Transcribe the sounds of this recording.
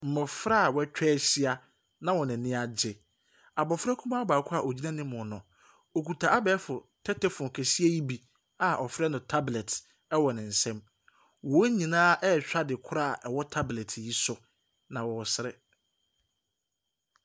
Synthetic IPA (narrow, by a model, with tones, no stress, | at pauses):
m̩˨mʊ̃˨fɾa˦˨wɛ˦t͡ɕᶣɛː˦ɕi˦a˦ | nã˦wɔ˨nɪ̃˨nɪ̃˦a˨d͡ʑɪ˦˨ | a˨bɔ˨fɾɛ˦kʰũ˦mã˦a˦baː˨kʰʊ˦a˨ʔo˨d͡ʑi˦nã˦nɪ̃˦mʊ̃˨nʊ̃˨ | o˨kʰu˨tʰa˨ʔa˦bɛː˨˦fʊ˨tʰɛ˦tʰɛ˦fʊ̃˨ŋ˨kʰɛ˨si˦e˦ji˦bi˨ | a˨ʔɔ˨fɾɛ˦nʊ̃˨tʰa˦blɛ˨t | ɛ˦wɔ˨nɪ̃˨n̩˨sɛ̃˦m | wɔ˨˦ɲĩ˨nãː˦ʔɛ˦˨ɕᶣa˦dɪ˨kʰʊ˦ɾa˦˨ʔɛ˨wɔ˦tʰa˦blɛ˨tʰji˦sʊ˦ | nã˨wɔ˨sɪ˦ɾɪ˦